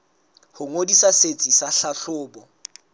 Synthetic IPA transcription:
hʊŋodisaset͡sʼisaɬaɬʊːbɔ

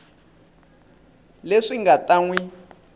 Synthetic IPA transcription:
leʂiŋɡataŋwi

